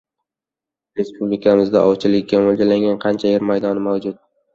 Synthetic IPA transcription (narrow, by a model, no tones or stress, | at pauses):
ɾe̞spublɪkʰamɪzd̪a̰ʔɒwt͡ʃʰɪlɪkʲːamold͡ʒalaŋɡʲanqʰɑnt͡ʃʰajeɾmajd̪ɒnɪmawd͡ʒʊt̪̚